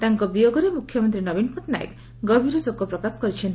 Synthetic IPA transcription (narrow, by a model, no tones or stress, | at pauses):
t̪aŋkɔbijoɡɔɾemukʰːjɔmɔnt̪ɾinɔbinpɔʈna̰jḛk | ɡɔbʱiɾɔd͡ʒokːɔpɾɔkasɔ̥kɔɾit͡ʃʰen